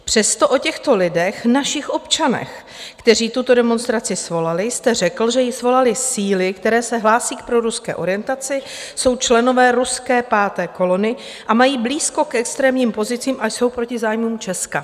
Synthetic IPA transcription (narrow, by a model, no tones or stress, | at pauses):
pr̝̥ɛst̪o̞ʔo̞cɛxt̪o̞lɪdɛxnaʃɪxʔo̞pt͡ʃanɛ̰x | kt̪ɛriːt̪ut̪o̞dɛmonst̪ɾat͡sɪsvo̞lalɪjst̪ɛr̝ɛkl̩ʒɛjɪsvo̞lalɪsiːlɪkt̪ɛɾɛːsɛɦlaːsiːk̚pɾo̞ɾuskɛ̰ːʔo̞ɾɪjɛnt̪at͡sɪ | so̞wt͡ʃlɛno̞vɛːɾuskɛːpaːt̪ɛːko̞lo̞nɪ | ʔamajiːbliːsko̞kʔɛkst̪ɾɛːmɲiːmpo̞zɪt͡siːmʔajso̞wpɾo̞cɪzaːjmuːmt͡ʃɛska